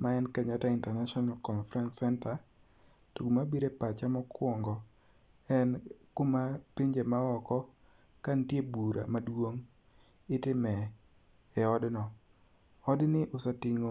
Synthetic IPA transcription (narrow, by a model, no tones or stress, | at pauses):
maɛnkaɲataintɛrnaʃɔnalkɔnfɾɛnsɛnta | toɡumabiɾepat͡ʃamɔkwɔŋɡɔ | ɛnkomapiɲd͡ʒemaɔkɔ | kantjebuɾʔa̰madwoŋ | ɪtɪmɛ | ɛɔdnɔ | ɔdnɪʔʊsatɪŋo